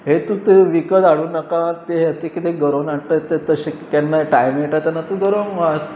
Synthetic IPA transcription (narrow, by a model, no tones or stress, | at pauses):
ɦet̪ũt̪eʋikəd̪aɽuːnakat̪eɦət̪ekit̪eɡəɾonaɽʈ̪ət̪et̪əɕekanːaʈajmeʈat̪janːat̪ũɡəɾonʋas